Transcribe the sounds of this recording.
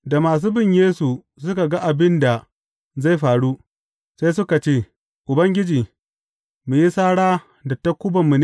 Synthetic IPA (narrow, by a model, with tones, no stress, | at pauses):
da˨maː˨s̬uː˦bɪ˦ɲjeː˦su˨ | s̬ʊ˦ka˨ɡa˦ʔa˨bɪ˦nda˨ | za˦˨jɸaː˨ɽuː˦ | sa˦sʊ˦ka˨t͡ʃeː˦˨ | ʔʊ˨bɐ˦ŋɡʲɪ˦d͡ʒiː˨ | mu˨ji˦saː˦ɽaː˦ | dɐ˨tɐ˦kʷːʊ˦bɐ˨mːu˨n˦